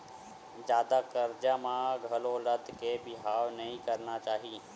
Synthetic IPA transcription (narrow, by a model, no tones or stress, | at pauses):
d͡ʒjaːd̪akəɾd͡ʒamãɡʱɐloləd̪ʱkebɪɦaːwnɐɦĩkɐɾnat͡ʃaːɦiː